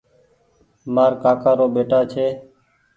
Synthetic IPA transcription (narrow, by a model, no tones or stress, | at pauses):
maːɾkaːkaːɾoːɓeːʈaːt͡ʃʰeː